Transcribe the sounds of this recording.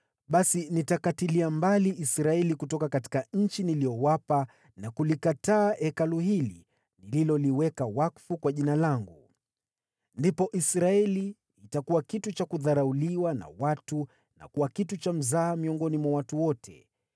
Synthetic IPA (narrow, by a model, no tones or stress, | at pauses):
ɓasinitakatiliambaliʔisɾaɛlikutɔkakati̥kaɲ̩t͡ʃinilijɔwapa | nakulikataːʔɛkaluhili | nililɔliwɛkawakfukwaʄinalaŋɡu | ndipɔʔisɾaɛliː | takuwakitut͡ʃakuðaɾauliwana̰watu | na̰kuwakitut͡ʃam̩zaːmiɔŋɡɔnimwawatuwɔtʰɛ̰